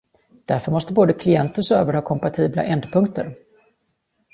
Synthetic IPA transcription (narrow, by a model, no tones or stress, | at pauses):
d̪̥æɾfœɾmɔst̪əboːd̪əkʰlɪɛnt̪əʂøːvəɾhɑːkʰɔmpat̪ʰiːbla̰ʔɛnd̪pʰɵŋk̚t̪əɾ